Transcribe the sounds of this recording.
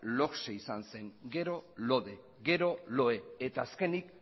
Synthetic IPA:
lo̞kseisanse̞ŋɡe̞ɾo̞lo̞ðe̞ | ɡe̞ɾo̞lo̞e̞et̪aːske̞nik

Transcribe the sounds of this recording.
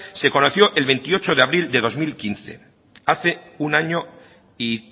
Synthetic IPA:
se̞ko̞noθjo̞ʔe̞lβe̞nt̪io̞t͡ʃoðe̞aβɾild̪e̞ð̞o̞zmilkinθe̞̰ | aθe̞ | unaɲo | i

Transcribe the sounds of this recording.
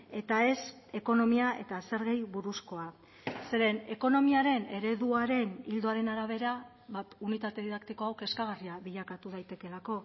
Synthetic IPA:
e̞t̪ae̞s | e̞ko̞no̞miaʔe̞t̪ase̞ɾɣejβuɾusko̞a | se̞ɾe̞ne̞ko̞no̞miaɾe̞ne̞ɾe̞ðuaɾe̞nild̪o̞aɾe̞naɾaβ̞e̞ɾa | βapunit̪at̪e̞ðiðakt̪iko̞awke̞skaɣ̞ariaβiʎakat̪uð̞ajt̪e̞ke̞lako̞

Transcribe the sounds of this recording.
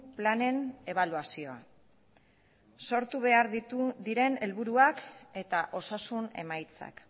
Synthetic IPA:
plane̞ne̞β̞aluasio̞a̰ | so̞ɾt̪uβe̞aɾðit̪uðiɾe̞ne̞lβuɾuake̞t̪aʔo̞sasune̞̰majt͡sa̰k

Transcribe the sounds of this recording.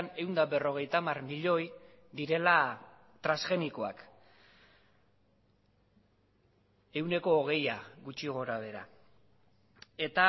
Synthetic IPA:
ne̞wnd̪abe̞ro̞ɣ̞e̞jt̪amarmiʎo̞j | d̪iɾe̞la | t̪ɾasxe̞niko̞a̰k | e̞wne̞ko̞ːɣ̞e̞jaɣut͡ʃiɣ̞o̞ɾaβ̞e̞ɾa̰ | e̞t̪a

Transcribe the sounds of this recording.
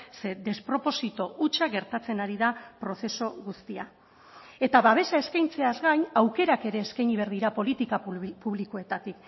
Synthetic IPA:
se̞d̪e̞spɾo̞po̞sit̪o̞ʔut͡ʃaɣe̞ɾt̪at͡se̞naɾiðapɾo̞θe̞so̞ɣust̪ia | e̞t̪aβaβ̞e̞sae̞skajnt͡se̞azɣajɲawke̞ɾake̞ɾe̞ːskajɲiβeɾðiɾapo̞lit̪ikapuβliko̞e̞t̪at̪ik

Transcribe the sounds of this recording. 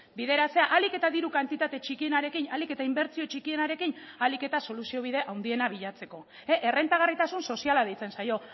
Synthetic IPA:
bið̞e̞ɾat͡se̞aʔalike̞t̪aðiɾukant̪it̪at̪e̞t͡ʃikie̞naɾe̞kinalike̞t̪aimbe̞ɾt͡sio̞t͡ʃikie̞naɾe̞kinalike̞t̪aso̞lusio̞β̞iðe̞ʔawnd̪ie̞naβiʎat͡se̞ko̞ | eʔere̞nt̪aɣ̞arit̪asunso̞sialaðejt͡se̞nsajo̞

